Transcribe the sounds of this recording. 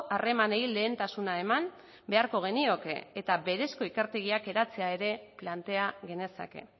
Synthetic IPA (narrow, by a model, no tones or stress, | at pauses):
ʔare̞maneile̞ːnt̪asunae̞mam | be̞aɾko̞ɣ̞e̞nio̞ke̞̰ːt̪aβe̞ɾe̞sko̞ikeɾt̪e̞ɣiake̞ɾat͡se̞ae̞ɾe̞plant̪e̞aɣe̞ne̞sa̰ke̞̰